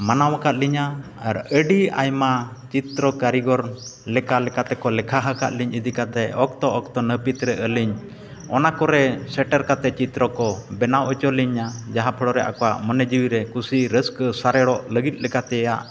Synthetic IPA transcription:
manawakat̪̚liɲa | aɾəɖia̰jmat͡ʃit̪ɾɔkaɾiɡɔɾlɛkalɛkat̪ɛkɔlɛkʰaɦaka̰t̪̚liɲid̪ikat̪ɛʔɔk̚t̪ɔʔɔk̚t̪ɔnəpit̪ɾɛʔəliɲ | ɔnakɔɾɛsɛʈɛɾkat̪ɛt͡ʃit̪ɾɔkɔbɛnawʔɔt͡ʃɔliɲad͡ʒaɦapʰəɽɔɾɛʔa̰kɔwa̰ʔmɔnɛd͡ʒiwiɾɛkusiɾəskəsaɾɛɽɔʔləɡit̪̚ˀlɛkat̪ɛjaʔ

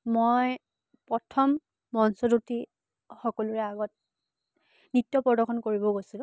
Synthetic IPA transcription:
moj | pɹɔtʰɔmː | ɔnsoduti | xɔkɔlʊɹɛaɡɔt̚ | nitːjɔpɔdɔxʰɔnkoɹibɔɡojsilʊ̃

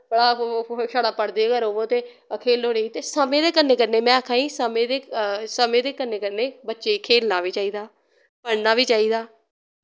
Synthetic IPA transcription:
əɽaːʃaːɽaːpəɽd̪eːɡəɾoːʋõːt̪eː | əkʰeːlɦoːɾeːiːt̪eːsəmẽːd̪eːkənːeːkəɾneːmɛ̃ːəkʰãːiːsəmẽːd̪eːsəmẽːd̪eːkəneːkəɾneːbətːʃeːiːkʰeːlnaːʋiːt͡ʃaːiːd̪aː | pəɽnaːʋiːt͡ʃaːiːd̪aː

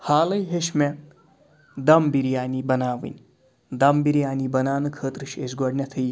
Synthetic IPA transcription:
haːlɐjɦeʃme | d̪ɐmbiɾijaːnibɐnaːʋɨ̰nʲ | d̪ɐmbiɾjaːnibɐnaːnɨkʰəːt̪ɾɨʃesɡɔɖnʲɐt̪ʰɨj

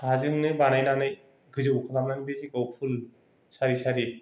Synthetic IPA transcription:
azɯŋnɯbanajnanɯj | ɡɯzɯkʰalamnanbezikawpʰul | saɾisaɾi

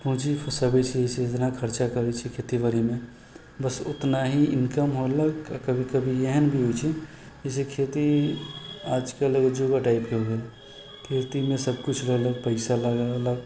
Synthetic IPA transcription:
pũɦt͡ʃipʰəsəbɛt͡ʃʰiset̪nakʰəɾt͡ʃakəɾɛt͡ʃʰikʰet̪iʋəɾimẽ | bəsʊt̪naɦiɪnkəmɦoləkakəbʱikəbʱijeɦənbʱiɦojt͡ʃʰi | isekʰet̪i | aːd͡ʒkəled͡ʒoɡaʈaɪpkeɦoɡela | kʰet̪imẽsəb̚kʊt͡ʃʰləɡləɡ̚pəɪsaləɡaləɡ

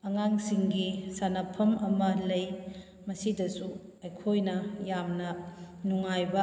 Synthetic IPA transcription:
ɐŋaŋsiŋɡisanɐpʰɐmɐmɐlɐj | mɐsidɐsu | ɐjkʰojnɐjamnɐ | nuŋajbɐ

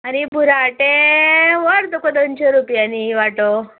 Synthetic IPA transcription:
añibʱuɾaʈeʋəɾd̪okod̪ont͡ɕɔɾupjaniʋaʈo

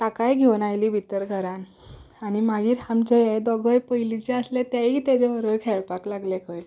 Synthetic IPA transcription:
t̪akajɡʱeʋnajliːbʱit̪əɾɡʱəɾãn | aɽ̃imaɡiːɾhamd͡ʑejed̪ɔɡʱəjpəɦilit͡ɕeəslet̪jaiːt̪ed͡zeʋəɾʋəɭkʰeɭpaklaɡlekʰəɽ

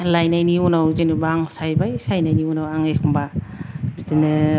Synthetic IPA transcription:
lajnajniunawzinɯbaaŋsajbajsajnajniunawaŋekʰumbabidinɯ

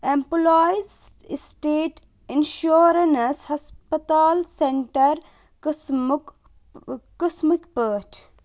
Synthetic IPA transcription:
ẽmpulajzsʈeːʈ | enʃoːɾɐnshɐspət̪aːlsẽɳʈəɾ | kəsmikpəːʈ

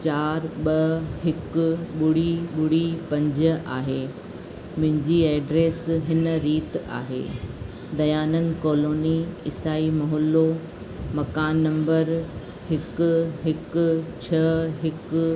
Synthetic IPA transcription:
t͡ɕaːɾɓɐɦɪkʊɓʊɽiɓʊɽipɐ̃ɲd͡ʑəaːɦeː | mʊ̃ɦɪ̃ɲd͡ʑiɛːɖɾeːsɦɪnə̆ɾiːt̪a̰ːɦḛː | d̪ɐjaːnənkoːloːniɪsaːimɐɦɔːlo | mɐkaːnːɐ̃mbəɾ | hɪkʊɦɪkʊ̆t͡ɕʰɐɦɪk

